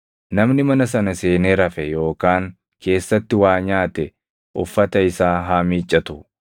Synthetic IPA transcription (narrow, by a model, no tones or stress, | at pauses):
nɐmnɪmɐnɐsɐnɐse̞ːneːɾɐfɛjo̞ːkaːŋ | kʰe̞ːsːɐt̪ːɪwaːɲaːt̪ɛ | ʔʊ̰fːɐt̪ɐɪsaːɦamiːt͡ʃʼːɐt̪ʊ